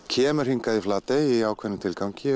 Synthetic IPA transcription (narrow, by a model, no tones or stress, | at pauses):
cʰɛːmʏɾhiŋkaðiflaːt̪ɛiaːwkʰvɛnːɪt̪ʰɪlkawŋcɪ